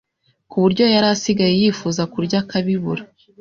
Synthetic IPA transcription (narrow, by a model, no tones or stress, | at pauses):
kuβuɾɟo̞jaɾasiɡajejifuːzakuɾɟakaβiβuɾa